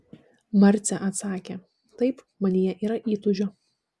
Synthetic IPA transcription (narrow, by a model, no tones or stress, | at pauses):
mɐɾʲt̪sʲɛʔɐt̪sɑːkʲeː | t̪ɐɪp | mɐnʲijɛʔiːɾɐʔiːt̪ʊʒʲoː